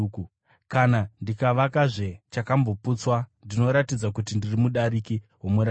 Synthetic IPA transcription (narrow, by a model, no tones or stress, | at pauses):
u | kanandikaʋakaʐe̞t͡ʃakambo̞put͡swandino̞ɾatid͡zakutindirimuɗaɾikiɦomuɾa